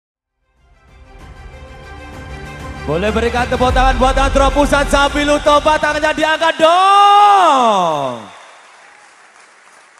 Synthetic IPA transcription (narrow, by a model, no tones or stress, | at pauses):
b̥olɛhbəɾikat̪t̪əpɔt̪aŋanbuat̪ant̪ɾɔpusat̪̚sapilut̪ɔpat̪aŋaɲadiaŋkaɖɔ